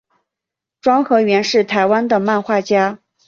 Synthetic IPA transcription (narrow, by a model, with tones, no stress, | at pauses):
ʈ͡ʂwɑ˥ŋxɤ˧˥ɥɛ˧˥nʂɻ̩˥˩t̪ʰa˧˥ɪwa˥nd̪ə˨ma˥˧nxwa˥˩t͡ɕja˥